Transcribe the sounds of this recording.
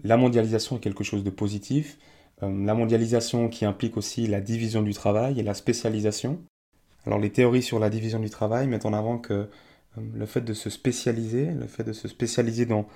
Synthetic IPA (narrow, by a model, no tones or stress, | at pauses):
lamɔ̃d̪jalizasjɔ̃ɛkʲɛlkəʃozd̪əpozit̪ʰif | ømlamɔ̃d̪jalizasjɔ̃kʲʰiɛ̃plikosilad̪ivizjɔ̃d̪yt̪χavajelaspesjalizasjɔ̃ | alʔɔ̰ʁlet̪eɔʁisyʁlad̪ivizjɔ̃d̪yt̪χavajmɛt̪ɑ̃navɑ̃kʰə | ləfɛt̪̚d̪əsəspesjalizelə̰fɛt̪̚d̪əsəspesjalized̪ɑ̃